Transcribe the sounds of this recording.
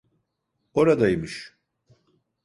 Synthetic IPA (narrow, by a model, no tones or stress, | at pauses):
o̞ɾad̪ajimɯʃ